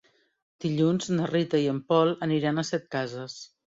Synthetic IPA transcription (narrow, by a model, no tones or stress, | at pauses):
d̪̥iʎunznərit̪əiəmpɔlˠəniɾanəsɛt̪̚kazəs